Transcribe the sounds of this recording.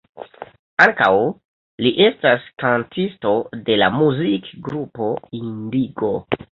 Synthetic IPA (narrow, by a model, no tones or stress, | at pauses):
aŋkaw | liʔe̞staskantisto̞de̞la̰muzikɡɾupo̞indiɡo̞